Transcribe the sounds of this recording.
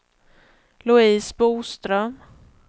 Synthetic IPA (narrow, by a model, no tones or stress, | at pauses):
lʊiːsbuːst̪ɾœm